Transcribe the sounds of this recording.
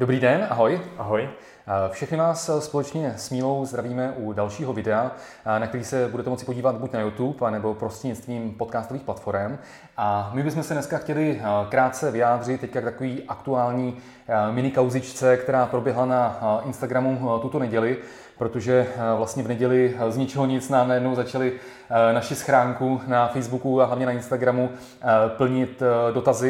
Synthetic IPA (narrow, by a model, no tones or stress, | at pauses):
d̥obɾiːdɛnaɦo̞jaɦoj | fʃɛxnɪvaːsspo̞lɛt͡ʃɲɛsmiːlo̞wzd̪ɾaviːmɛʔudalʃiːɦovɪdɛa | nak̚t̪ɛɾiːsɛbudɛt̪ɛmot͡sɪ̥po̞ɟiːvat̪bucnajut̪upanɛbo̞pɾo̞siɲɛst̪viːmpo̞t̪̚kaːst̪o̞viːxplat̪fo̞ɾɛm | ʔamɪbɪsmɛsɛnɛskaxcɛlɪkɾaːt̪̚t͡sɛvɪjaːd̪r̝ɪt̪ːɛckakt̪akoviːʔakt̪uaːlɲiː | mɪnɪkawzɪt͡ʃt͡sɛkt̪ɛɾaːpɾo̞bjɛɦlanaɪnst̪aɡɾamut̪ut̪o̞nɛɟɛlɪ | pɾo̞t̪o̞ʒɛvlast̪ɲɛvnɛɟɛlɪzɲɪt͡ʃɪloɲɪt͡snaːmnajɛdnowzat͡ʃalɪ | naʃɪsxɾaːŋkunafɛjzbukuaɦlavɲɛnaɪnst̪aɡɾamu | pl̩ɲɪt̪do̞t̪azɪ